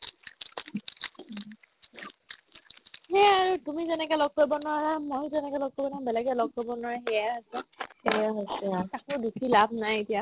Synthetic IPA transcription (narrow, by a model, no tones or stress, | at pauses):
ɦɛaɹutumizɛnɛkɛlɔɡ̚kojbɔnaɹamojzɛnɛkɛlɔɡ̚kojbɔnabɛlɛɡɛlɔɡ̚kɔjbɔnwaɹaɦɛjaɦasɛeaɦojsɛkakʊdukʰilab̚ʱnajetija